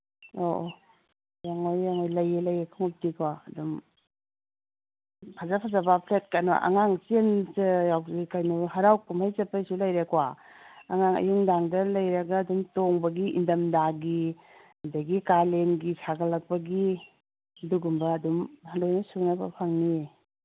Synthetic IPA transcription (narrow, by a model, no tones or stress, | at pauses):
o | jaŋojːaŋojlɐjelɐjakʰaŋup̚tikwaɐdum | pʰazapʰazabapʰlet̚kana̰ʔa̰ŋaŋt͡ʃensɯjawikajnuɦaɾawkumhajzɐpajsulajɾekwa | aŋaŋɐ̰juŋdaŋdɐlɐjɾɐɡɐːdumtoŋbɐɡiʔḭndɐmdaɡi | hndaɡikalenɡisʰaɡɐlɐk̚pɐɡi | duɡumbɐːdumhandojnɐsunaba̰pʰaŋnie